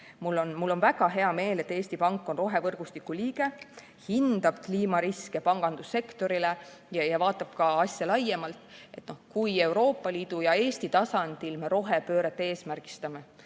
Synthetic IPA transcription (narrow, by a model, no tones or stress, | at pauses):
mulːo̞nmulːo̞nvæɡ̥ɑɦe̞ɑme̞ːle̞t̪ːeːst̪ipɑŋkːˑo̞nro̞ɦe̞vɤrɡ̥ust̪ikːˑuliːɡ̥e̞ | hind̪̥ɑb̥̚kliːmɑɾiskepɑŋɡ̥ɑnd̪̥usːe̞kt̪o̞ɾile | jjɑvɑːt̪ːˑɑb̥̚kɑɑsʲjɑlɑjːemɑlt̪ˑe̞t̪ːˑno̞hkuje̞wɾo̞ːpːˑɑliːd̪̥ujɑe̞ːst̪it̪ɑsɑnd̪̥ilme̞ɾo̞ɦe̞pø̞ːɾet̪ːee̞ːsmærɡ̥i̥st̪ɑme̞